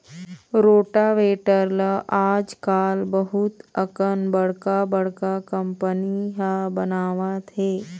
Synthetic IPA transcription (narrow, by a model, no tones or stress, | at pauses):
ɾoːʈaʋeːʈəɾlaʔaːd͡ʒkaːlbəɦut̪əkənbəɽkabəɽ̤kakəmpəniɦabənaːʋat̪ʰeː